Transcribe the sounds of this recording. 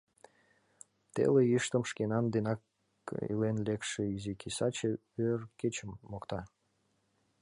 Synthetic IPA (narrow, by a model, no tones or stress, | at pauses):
t̪ḛleiʃt̪əmʃkenɑnd̪enɑk | ḭlenlekʃeizikʰisɑt͡ɕe | ørket͡ɕəmːokt̪ɑ